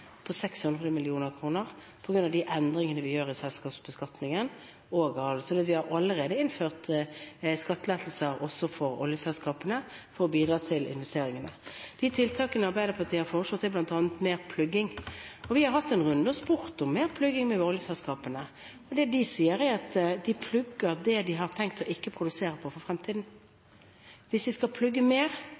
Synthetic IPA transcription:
pʰɔsɛkshʉnd̪ʁədəmɪlɪuːnəʁkʰɾuːnəʁ | pʰɔɡɾʉnɑʋd̪iʔɛnd̪ɾɪŋənəʋɪjøːʁɪsɛlskɑːpsbəskɑt̪nɪŋən | ɔɡɑsɔd̪ɛt̪ʋɪhɑɾʔɑlːəʁeːd̪əɪnføːʁt̪ | skɑt̪ːəlɛːt̪l̩səɾʔɔsːɔfɔɾɔ̰ljəsɛlskɑːpənəfɔɾɔbiːd̪ɾɑːt̪ʰɪlɪ̰nʋɛst̪eːɾɪŋənəd̪̥ɪt̪ʰɪlt̪ʰɑːkənəɑɾbæɪd̪əpʰɑt̪ɪhɑɾfɔʁʂlɔt̪ːɛblɑnt̪ɑːnət̪meːʁpʰlʉɡːɪŋɔʋɪhɑɾhɑt̪ːɛnʁʉnd̪əɔspʊʁt̪ɔmːeːʁpʰlʉɡɪŋmɛʋɔljəsɛlskɑːpənə | ɔd̪ɛd̪ɪsiːəɾæɾɑt̪d̪ɪpʰlʉɡːəʁd̪ɛd̪ɪɦɑʁt̪ʰɛŋk̚t̪ʰɔʔɪkːəpʰɾʊd̪ʉseːɾəpʰɔfɔʁfʁɛmt̪ʰiːd̪n̩ | ʋɪsd̪ɪskɑlpʰlʉɡːəmeːʁ

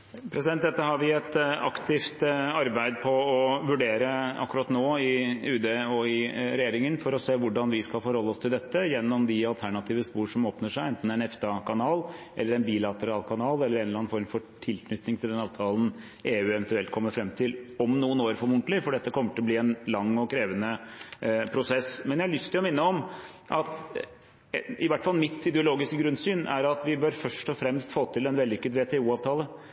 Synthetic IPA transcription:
pʰɾɛsɪd̪ɛnt̪d̪ɛt̪ːəhɑɾʋɪɛt̪ɑ̰kt̪ɪft̪ɑɾbæɪd̪pʰɔɔʋʉɖeːɾəɑ̰kːʉɾɑt̪noːɪʉːd̪eːɔɪɾɛjeːɾɪŋənfɔɾɔseːʋʊɖɑnʋɪskɑlfɔɾhɔlːəɔst̪ʰɪld̪ɛt̪ːəjɛnːɔmd̪ɪɑlt̪ʰæɳɑt̪ʰiːʋəspuːʂɔmoːpnəʂæɪɛnt̪n̩æɪnɛft̪ɑkʰɑnɑːlʔɛ̰lːəɾɛnbiːlɑt̪əɾɑːlkʰɑnɑːlɛləɾeɛːnɑːnfɔɾmfɔʈʰɪlknʏt̪ːnɪŋt̪ʰɪld̪ɛnɑːʋt̪ʰɑːlən | ʔeːʉːɛʋɛnt̪ʉɛlt̪̚kʰɔmːəɾfɾɛmt̪ʰɪlɔmnuːənoːɾfɔɾmʊɳʈlɪfɔɖɛt̪ːəkʰɔmːəʈʰɪlɔbliːɛnlɑŋːɔkʰɾeːʋənə | pʰɾʊsɛsmɛnjæɪhɑlʏst̪ʰɪlɔmɪnːəɔm | ʔɑt̪ | ɪʋæʈːə̥fɑlˠmɪt̪ɪd̪ɛʊloːɡɪskəɡɾʉnsyːnʔæ̰ɾɑt̪ʋɪbœɾfœʂʈɔfɾɛmst̪foːt̪ʰɪlɛnʋɛld̪ʏkːəd̪ʋeːt̪ʰɛːuːɑːʋt̪ʰɑːlə

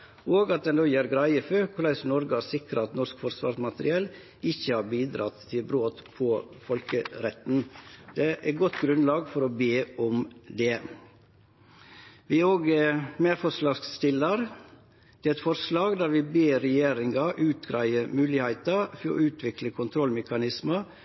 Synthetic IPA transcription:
oːɡɑt̪̚d̪ɛnd̪oːjæɾɡɾæɪəføkʰʊɾlæɪsnɔɾɡəæsɪkɾəɑt̪nɔskfɔɾsʋɑ̰ɾsmɑt̪əɾɪɛl | ɪçəhɑɾbiːd̪ɾɑ̰t̪ʰːɪlbɾoːt̪pʰɔfɔlkəɾɛt̪n̩d̪̥ɛʔæɾɡɔt̪ːɡɾʉnlɑːɡfɔɾɔbeːɔmd̪ɛ | ʋɪæoːɡəmeɾfɔslɑːst̪ɪlːɑɾ | d̪̥ɛɛt̪fɔɾslɑːɡd̪æɾʋɪbeːɾɛjeːɾɪŋɑʔʉːt̪ɡɾæɪəmʉːlɪhæɪt̪ɑfɔɔ̰ʉːt̪ʰʋɪkləkʰʊnt̪ʰɾɔlmɛkɑnɪsmɑ

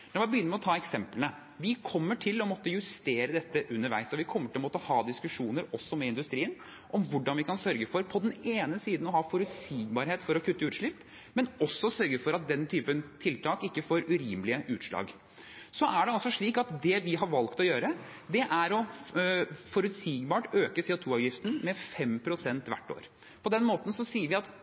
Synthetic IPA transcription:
nɔɾʋæbəjʏnːəmɛɔt̪ʰɑːɛksɛmplənə | ʋɪkʰɔmːəʈʰɪlɔmɔt̪ːəjʉst̪eːɾəd̪ɛt̪ːəʔʉnːəɾʋæ̰ɪsɔʋɪkʰɔmːəʈʰɪlɔmɔt̪ːəhɑːd̪ɪskʉʂuːnəɾɔsːɔmɛɪnd̪ʉst̪ɾiːən | ʔɔmʋʊɖɑnʋɪkɑnsœɾɡəfɔɾpʰɔd̪ɛneːnəsiːd̪n̩ɔɦɑːfɔɾʉt̪siːɡbɑːɾheːt̪fɔɾɔkʰʉt̪ːəʉːʂɭɪpː | mɛnɔsːɔsœɾɡəfɔɾɑt̪̚d̪ɛnt̪ʰyːpənt̪ʰɪlt̪ɑːkɪkːəfoːɾʉɾiːmlɪəʔʉːt̪ʂɭɑ̰ːɡ | sɔʔæɖɛɑlsɔʂɭiːkɑt̪d̪ɛʋɪɦɑɾʋɑlkt̪ɔjøːɾə | d̪ɛʔæɾɔ | fɔɾʉt̪siːɡbɑːʈøːkəsɛːʊt̪ʰuːɑːʋjɪft̪ən̩mɛfɛmpʰɾʊsɛnt̪ʋæ̰ʈːo̰ːɾ | pʰɔd̪ɛnmoːt̪n̩sɔsiːəɾʋɪɑt̪

